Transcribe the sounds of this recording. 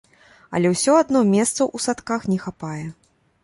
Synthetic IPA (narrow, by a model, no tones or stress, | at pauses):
ɐ̰lʲɛwsʲɔad̪nɔmʲɛst̪sɐʔusat̪kaxnʲɛxapajɛ